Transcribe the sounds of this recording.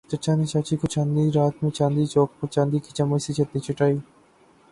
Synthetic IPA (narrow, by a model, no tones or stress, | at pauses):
t͡ʃɐt͡ʃʰaːnet͡ʃaːt͡ʃikot͡ʃãːnd̪iːɾaːt̪mẽt͡ʃãːnd̪iːt͡ʃoːk̚pɐɾt͡ʃãːnd̪iːkʰit͡ʃamɐsit͡ʃʰɐt̪̚nĩt͡ʃʰɪʈaːi